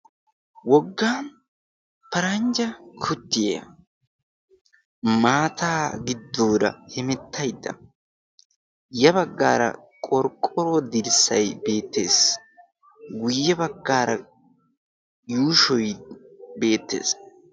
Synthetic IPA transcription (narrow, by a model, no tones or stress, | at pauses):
wɔɡːaːn | pɐɾɐnd͡ʒɐkʰʊt̪ːɪjḛːɐ̰ | maːt̪aːɡɪd̪ːoːd̪ɐ̰hɪmɛt̪ʰːɐjd̪ːɐ̰ | jɐbɐɡːa̰ːɾɐ̰kʼɔɾkʼːɔɾod̪ɪɾsːɐjbe̞ːt̪ːe̞ːs | ɡʊjːɛbɐɡːaːɾɐ | juːʃɔjbe̞ːt̪ːe̞̰ːs